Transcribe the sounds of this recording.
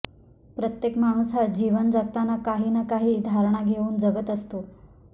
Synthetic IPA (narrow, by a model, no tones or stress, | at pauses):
pɾət̪jekmaɽ̃usɦad͡ʑiʋənd͡zat̪anakaɦiːnakaɦiːd̪ʱaɾɳ̃aɡʱeuːnd͡zəɡət̪əst̪o